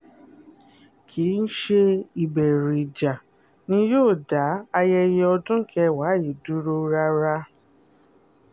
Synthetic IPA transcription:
kʰi˨˦n̩˦ʃe˦i˨bɛ˨ɾi˨d͡ʒa˨ | nĩ˦joː˦˨da˨˦a˧jɛ˧jɛ˧ɔ˧dũ˦kʰɛ˧wa˨˦i˨du˨˦ɾo˧ɾa˧ɾa˧

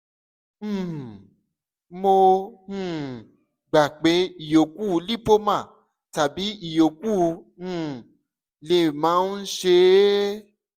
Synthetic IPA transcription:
m̩̃˨ | mo˧ũ˦˨ | ɡ͡ba˨k͡pe˨˦i˨jo˨ku˦˨˧li˦˨po˦mã˦˨ | ta˨bi˨˦i˦˨jo˨ku˦˨˧ | ũ˦˨ | le˨mã˨˦n̩˦ʃe˧˦

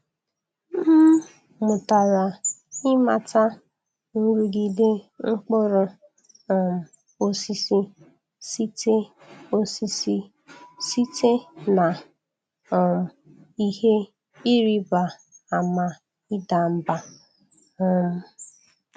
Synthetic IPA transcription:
m̩˦ | mʊ˨ta˨ɾa˨ɪ˦ma̰˨ta˦ | nʊ˦ɾu˦ɡi˨de˦ŋ͡m̩˦k͡pʊ˦ɾʊ˦ | ɔ˨m̩˨ | o˦si˦si˦ | si˦te˦ | o˦si˦si˦ | si˦te˦na˨ | m̩˨ | i˦he˦ | i˦ɾi˦ba˨a˨ma˨ | i˦da˨m̩˦ba˦ | ɔ˦˨m̩˨

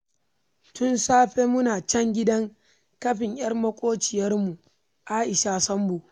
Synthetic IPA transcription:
tʊ˦nsaː˦ɸeː˦mʊ˦naː˨t͡ʃɛ˦ŋɡʲɪ˦dɐ˦ŋ | kɐ˦ɸɪ˨ɲj̰ɐ˦rmɐ˦kʷʼoː˦t͡ʃɪ˨jɐ˦rmu˨ | ʔaː˦ʔɪ˨ʃa˦sɐ˦mbu˨

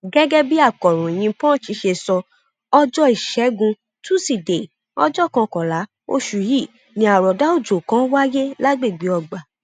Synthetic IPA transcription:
ɡɛ˦ɡɛ˦bi˦a˦˨kɔ˨ɾũ˨j̃ĩ˧pɔ̃˦˨ʃi˧˦ʃe˧sɔ˧ | ɔ˦d͡ʒɔ˦i˨ʃɛ˨˦ɡũ˧ | tũ˦si˦˨de˨ | ɔ˦d͡ʒɔ˦˨kã˧kɔ˨la˨˦ | o̰˦ʃu˨ji˦˨ | nĩ˧a˨ɾɔ˨da˨˦o˦˨d͡ʒo˨kã˨˦wa˦je˦la˦ɡ͡be˦˨ɡ͡bi˨˦ɔ˧ɡ͡ba˨

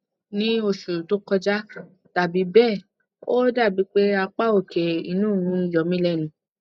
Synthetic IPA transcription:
nĩ˦o˧˨su˨to˦kɔ˧d͡ʒa˦ | ta˨bi˨˦bɛː˦˨ | o˦da˦˨bi˨˧˦k͡pe˦a˧k͡pa˦o˦˨kʰɛ˨ḭ˧nũː˦˨nũ˨˦i˧˨d͡ʒɔ˨mĩ˦lɛ˦˨nũ˨˦

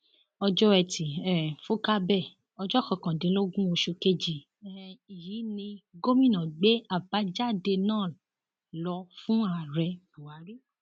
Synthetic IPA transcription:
ɔ˧d͡ʒɔ˦ɛ˧˨ti˨ɛ˨fo˦ka˦bɛ˦˨ | ɔ˧d͡ʒɔ˦kɔ̃˨kã˨dĩ˨˦lo˦ɡũ˦o˧ʃo˧ke˦d͡ʒi˨ | i˨jiː˨˦nĩ˧ɡo˦mĩ˦˨nã˨ɡ͡be˦a˦˨ba˨˦d͡ʒa˦˨de˧nã˦˨ | lɔ˧fũ˦a˨ɾɛ˧bu˨a˨˦ɾi˦

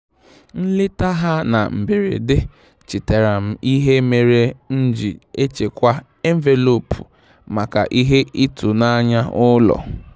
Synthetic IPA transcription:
n̩˦lɪ˦ta˦ɦa˦na˨m̩˨be˨ɾḛ˨dɪ˦ | t͡ʃɪ˨te˨ɾa˨m̩˦i˦ɦe˦me˨ɾe˦n̩˦d͡ʒi˨e˦t͡ʃe˨kʷa˦ | e˦m˦ve˨lo˨pʰu˨ | ma˨ka̰˨ʔi˦ɦe˦i˦tu˨na˦ɲa˦ʊ˦lɔ̰˨

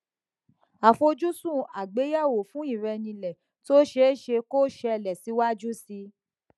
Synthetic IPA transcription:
a˨fo˧d͡ʒu˦sũ˦˨a˨ɡ͡be˨˦ja˦˨wo˨fũ˦i˦˨ɾɛ˧nĩ˧lɛ˨ | to˦ʃe˨˦˨ʃe˧ko˦ʃɛ˧ɛ˧˨lɛ˨si˨˦wa˦d͡ʒu˦si˧

